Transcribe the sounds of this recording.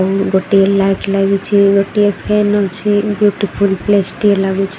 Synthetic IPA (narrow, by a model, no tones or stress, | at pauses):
wɡoʈielajʈlaɡut͡ʃʰiɡoʈiepʰenɔt͡ʃʰibjuʈifʰulplesʈielaɡut͡ʃʰ